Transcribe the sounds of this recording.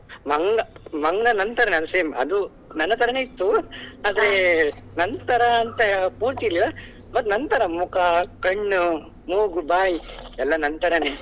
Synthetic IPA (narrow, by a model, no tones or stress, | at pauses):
mɐŋɡɐmɐŋɡɐnɐnt̪ɐɾɐnɐnɐseːmɐ̰d̪u | nɐnːɐt̪ɐɾɐneːit̪ːuaːd̪ɐɾenɐnt̪ɐɾɐːnt̪ɐpuːɾt̪illːɐ | bɐt̪ːnɐnt̪ɐɾɐmukɐkɐɳːu | moːɡubaːjiɛlːɐnɐnt̪ɐɾɐne